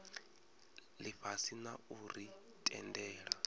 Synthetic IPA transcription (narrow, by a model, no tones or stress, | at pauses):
liɸasinauri | tʼɛ̰ndɛːɺa